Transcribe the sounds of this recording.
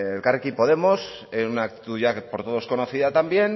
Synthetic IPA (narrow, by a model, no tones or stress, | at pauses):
elkarekipo̞ðe̞mo̞s | esunakt̪i̥t̪uʝapo̞ɾt̪o̞ð̞o̞sko̞no̞θiðat̪ambje̞n